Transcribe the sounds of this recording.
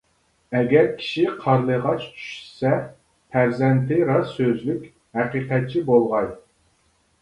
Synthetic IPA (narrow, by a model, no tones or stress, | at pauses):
ɛɡʲɛɾkʲʰi̥ʃiqʰɑɾlˠəʁɑt͡ʃt͡ʃʰy̥ʃy̥sɛ | pʰæɾzɛnt̪ʰɪɾɑssøzlykʲ | ɦæqiqɛt̪̚t͡ʃʰibolˠʁɑj